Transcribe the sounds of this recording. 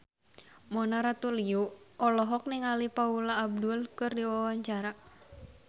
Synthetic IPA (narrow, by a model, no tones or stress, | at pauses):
mɔnaɾat̪uliuɔlɔɦɔk̚nɪŋalipaulaːb̚dulkɨrdiwawaɲt͡ʃaɾa